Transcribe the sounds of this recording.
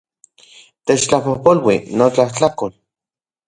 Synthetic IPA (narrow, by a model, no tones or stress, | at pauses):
t̪eːt͡ʃt͡ɬapohpolwinot͡ɬaht͡ɬakol